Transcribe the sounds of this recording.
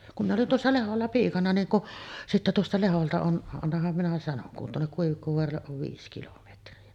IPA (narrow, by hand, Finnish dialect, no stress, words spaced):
kum minˑ olin tuosːɑ leholːɑ piːkɑnɑ niːŋ kuʔ sitːe tuostɑ leholtɑ on ɑnːɑhɑm minæ sɑnoŋ kun tuonːek kuiʋikːoʋoɑrɑlːeʔ ʔoʋ ʋiːs kilometriɑ